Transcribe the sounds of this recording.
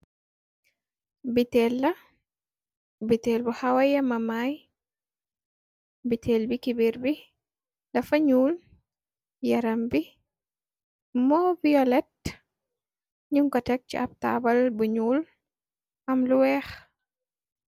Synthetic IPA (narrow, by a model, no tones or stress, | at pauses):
bitɛːlːɐ | bitɛːlbuhawɐjɐmɐmaːj | bitʰɛːlbikibiɾbi | lɐfɐɲuːl | jɐɾɐmbi | mɔbiɔlɛt̚ | ɲuŋkɔtɛk̚t͡ʃiʔɐb̚ta̰ːbɐlbuɲuːl | ʔɐmluwɛːx